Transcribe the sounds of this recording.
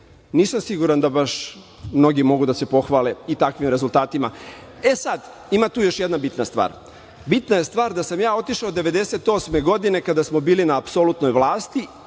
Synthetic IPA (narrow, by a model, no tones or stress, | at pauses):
niːsamsiɡuɾand̪abaʃ | mno̞ɡimo̞ɡud̪ase̞po̞xʋaːleit̪akʋimɾezulˠt̪aːt̪ima | e̞sad̪ | imat̪uːjo̞ʃjed̪nabit̪nast̪ʋa̰ːɾ | bit̪naje̞st̪ʋaːɾd̪asamjaːo̞t̪iʃaod̪ːe̞ʋe̞d̪eset̪o̞ːsme̞ɡo̞d̪ine̞kad̪asmobiːlinaːpsolut̪no̞jʋlˠaːst̪i